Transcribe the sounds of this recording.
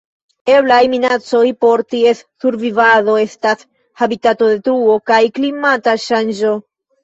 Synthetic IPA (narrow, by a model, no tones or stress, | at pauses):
e̞blajminat͡so̞jpo̞ɾtie̞sːuɾvivaðo̞e̞stas | habitato̞d̪e̞t̪ɾuo̞kajklimataʃand͡ʒo̞